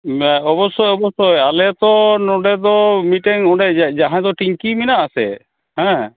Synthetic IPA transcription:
ɔbɔsɔjɔbɔsɔjalɛt̪ɔnɔɖɛd̪ɔmiʈɛŋɔɖɛd͡ʒaɦãd̪ɔʈiŋkiminaʔasɛ̰ | hɛ̃

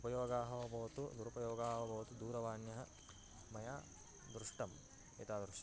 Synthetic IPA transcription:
upɐjoːɡaːɦɐʋɐbʱɐʋɐt̪ud̪uɾupɐjoːɡaːɦɐʋɐbʱɐʋɐt̪ud̪uːɾɐʋaːnjɐɦɐ | mɐjaː | d̪ɾuʂʈɐm | ḛt̪aːd̪ɾuʃɐ

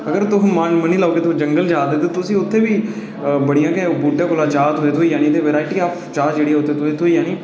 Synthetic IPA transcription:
əɡəɾt̪ʊɦːmənməniːlaːoːkeːt̪ʊ̃ːd͡ʒəŋɡəld͡ʒaːd̪eːt̪et̪ʊsĩːʊt̪ʰːeːʋiː | bəɽijãːkɛbuːɖãːkʊlaːt͡ʃaːt̪ɦoːeːt̪ʰoːiːjaːniːt̪eːʋeɾaːɪʈiːkaːpʰt͡ʃaːd͡ʒeːɽiːɦɛːʊt̪ʰːeːt̪oeːt̪ʰoːiːjaːniː

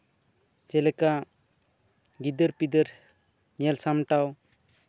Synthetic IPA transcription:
t͡ʃɛlɛka | ɡid̪əɾpid̪əɾ | ɲɛlsamʈaw

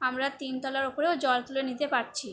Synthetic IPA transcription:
amɾat̪int̪ɔlaɾopoɾeod͡ʑɔlk̪ulonit̪epaʈ̚t͡ɕʰi

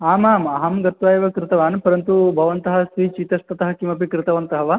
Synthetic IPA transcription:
aːmaːmɐɦɐmɡɐt̪ʋaːjɐʋɐkɾɪt̪ɐʋaːnpɐɾɐnt̪ubʱɐʋɐnt̪ɐɦɐsʋiːt͡ʃiːt̪ɐst̪ɐt̪ɐɦɐkimɐpikɾɪt̪ɐʋɐnt̪ɐɦɐʋɐ

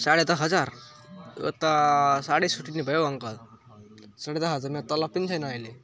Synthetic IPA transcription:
saɽed̪aɦəd͡zaɾ | ə̰t̪asaɽesuʈinːibʱəjəaŋkal | saɽed̪aɦəd͡zaɾmiat̪əlapint͡sʰajnajle

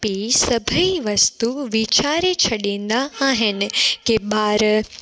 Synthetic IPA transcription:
pisəbʱəiʋəst̪uʋit͡ʃaɾet͡ʃʰəɽend̪aːɦɪn̆keɓaːɾ

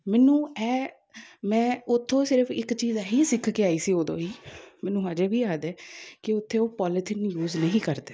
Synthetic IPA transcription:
mɛːnũːɛː | mɛ̃ːʊt̪ʰːõːsɪɾəpʰɪkt͡ʃiːzaɦiːsɪkʰkeːaːiːsiːoːd̪õːiːmɛːnũːɦad͡ʒeːbʱiːaːd̪ɛːkɪʊt̪ʰːeːoːpɔːlɪt̪ʰɪnjuːznəɦĩːkəɾd̪eː

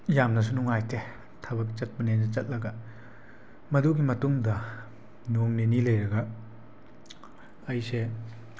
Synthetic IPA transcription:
jamnɐs̬unuŋajtʰe | tʰɐbɐk̚t͡ʃɐt̚bɐnendɐt͡ʃɐt̚lɐɡɐ | mɐduɡimɐtumdɐ | noŋninilejɾɐɡɐ | jse

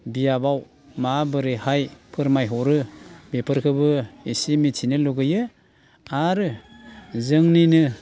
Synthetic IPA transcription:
bijabaw | mabɯɾɯhajpʰɯɾmajɦɔɾɯbepʰɯɾkʰɯbɯisimitʰinɯluɡɯjɯ | aɾɯ | zɯŋninɯ

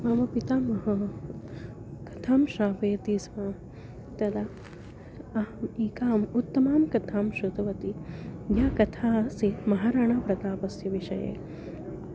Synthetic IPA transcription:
mɐmɐpit̪aːmɐɦɐ | kɐt̪ʰaːmʃaːbeːt̪iːsʋaː | t̪ɐd̪a | ɐɦɐmiːkaːmut̪ːɐmaːmkɐt̪ʰaːmʃut̪ɐʋɐt̪ijakɐt̪ʰaːsimɐɦaɾɐɳɐpɾɐt̪aːpɐsjɐʋiʂɐjḛː

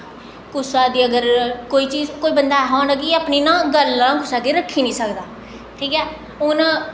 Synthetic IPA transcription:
kʊsaːd̪iːəɡəɾkoːiːt͡ʃiːzkoːiːbənd̪aːɦaːnəɡiːaːpniːnãːɡəlːãːkʊsaːd̪eːɾəkʰːiːnĩːsəkd̪aː | ʈʰiːkɛː | ʊnãː

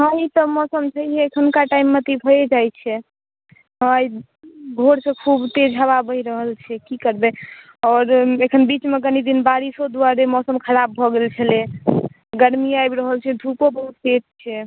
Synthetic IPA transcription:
ɦə̃it̪ɔmɔsəmt͡ʃʰəiɦɛekʰənkaʈaimːet̪ibʱod͡ʒajt͡ʃʰɛ | ɦə̃ai | ɡʱoɾsə̃kʰubt̪ed͡ʒʱababəiɾəɦəlt͡ʃʰɛkikəɾbɛ | ɔːɾekʰənbit͡ʃmeɡənid̪inbaɾisod̪uaɾemɔsəmkʰəɾabːʱɔɡelt͡ʃʰəle | ɡəɾmiajbɾəɦəlt͡ʃʰɛd̪ʱupobəɦut̪ːet̪̚t͡ʃʰɛ

